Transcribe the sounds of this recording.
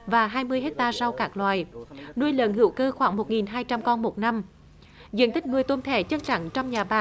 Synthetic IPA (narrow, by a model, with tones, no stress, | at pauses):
vaː˨˩ɦaː˧jmɨ˧əjɦe˦˥t̚t̪aː˧za˧wkaː˦˥k̚lwa̰ː˨˩jnu˧əjlə̰˧˨˩nɦɨ̰˧˩˦wkəː˧xwaː˧˩˦ŋmo˨˩t̚ŋi˨˩nɦaː˧jt͡ɕa˧mkɔ˧nmo˨˩t̚na˧m | zɨ̰˧˨ənt̪ï˦˥k̚ŋɨ˨˩əjt̪o˧nt̪ʰḛ˧˩˦t͡ɕə˦˥n̚t͡ɕa̰˧˩ŋt͡ɕɔ˧wŋ͡mɲaː˨˩ɓaː˨˩